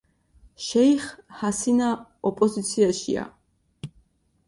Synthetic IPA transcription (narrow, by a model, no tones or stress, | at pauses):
ʃɛjχhasinaɔpʼɔzit̪sʰiaʃḭa̰